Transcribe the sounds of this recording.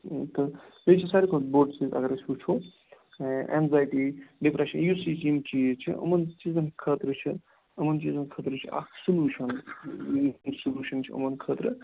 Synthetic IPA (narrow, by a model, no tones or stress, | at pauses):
t̪ɨ | əjt͡ʃʰisaɾikʰoboɖt͡ʃizɐ̰ɡəɾɐsut͡ʃʰo | ʔḛnzaːjʈiɖipɾeʃɐnjusid͡ʒimt͡ʃiːzt͡ʃʰḭʔə̰mɐnt͡ʃiːzɐnkʰət̪ɾət͡ʃʰi | əmɐnt͡ʃiːzɐnkʰəːt̪ɾɨt͡ʃʰia̰ksuluːʃɐn | nsuluːʃɐnt͡ʃʰiə̰mɐnkʰəːt̪ɾə